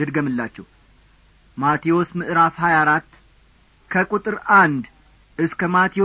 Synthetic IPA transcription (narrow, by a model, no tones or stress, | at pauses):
ɨd̪ɡəmɨlːat͡ʃːɛw | mat̪ʰio̞smɨʔɾafhajaɾat̪ː | kʰəkʼut̪ʼɨɾand̪ | ʔɨskʰəmat̪ʰio